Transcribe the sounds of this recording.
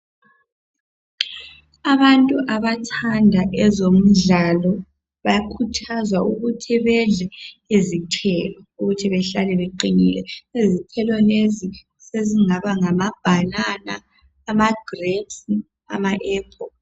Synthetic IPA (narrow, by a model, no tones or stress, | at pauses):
aβantʼuʔaβatʰandʱaʔɛzom̩ɮalɔ | βajakʰutʰazwauɣutʰiβɛɮɛizitʰɛːlɔuɣutʰiβɛɬalɛβeǃinilɛizitʰɛlɔlezi | seziŋaβaŋamab̥ʱanana̰ː | maɡ̥redsi | a̰maʔɛːpʰʼɔ